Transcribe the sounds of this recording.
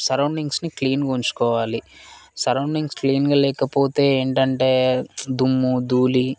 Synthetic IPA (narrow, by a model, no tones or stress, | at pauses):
sɐɾɐwɳɖiŋɡsnikliːnɡont͡ʃu̥kɔːʋaːlisɐɾɐwɳɖiŋɡskliːnɡɐlɛːkɐpoːt̪e̞ːeːɳʈɐɳʈe̞ːd̪umːud̪uːli